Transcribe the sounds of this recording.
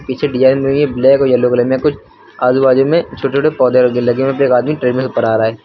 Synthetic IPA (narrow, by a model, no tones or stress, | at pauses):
piːt͡ʃʰeɖijaːnmebleːkojɐlːoklemẽkʊt͡ʃʰ | aːzubaːd͡ʒõmẽt͡ʃʰoːʈet͡ʃʰoːʈepɔːd̪eoɡ̪elɐɡẽmẽp̬eːkaːd̪miʈɾeːɖmẽsʊpːəɾaːɾaːɦeː